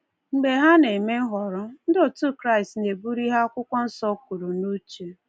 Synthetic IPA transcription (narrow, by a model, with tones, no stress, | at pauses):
ŋ͡m̩˨ɡ͡be˨ɦa˦ne˨i˨me˦ɦɔ˨ɾɔ˦n̩˦do˨tu˦kɾa˦˨ɪ˨stne˨bu˦ɾi˦ɦa˦ɔ˦kʷʊ˦kʷɔ˦n̩˦sɔ˦ku˨ɾu˨nu˦t͡ʃu˨